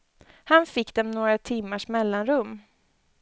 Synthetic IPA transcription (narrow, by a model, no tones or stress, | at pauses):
hanfɪkːd̪ɛmnoːɡɾat̪ʰɪmːaʂmɛlːanɾɵmː